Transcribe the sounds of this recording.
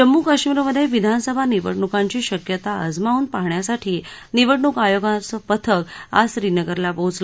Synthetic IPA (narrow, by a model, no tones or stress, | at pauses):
d͡ʑəmːukəɕmiɾəməd̪ʱːjeʋid̪ʱansəbʱaniʋə̰ɽɳukaɲt͡ɕiːɕəkjət̪aəd͡zmauːnpaɦɳjasaʈʰiː | niʋəʈɳukajoɡat͡səpət̪ʰəka̰sɾinəɡəɾlabod͡zlə